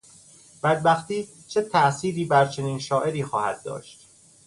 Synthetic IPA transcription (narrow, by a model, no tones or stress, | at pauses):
b̥æd̪̚bæxt̪iː | t͡ʃʰet̪ʰæʔsiːɾiːbæɾt͡ʃʰe̞niːnʃɒːʔe̞ɾiːxɒːhæ̰d̪ːɒ̰ːʃt̪̚